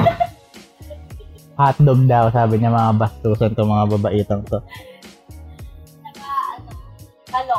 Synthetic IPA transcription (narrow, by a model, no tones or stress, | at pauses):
hat̪̚dɔɡ̚daosaabiɲamaŋabast̪uusant̪ʊmaŋababaʔit̪aŋt̪ʊh | a | alɔ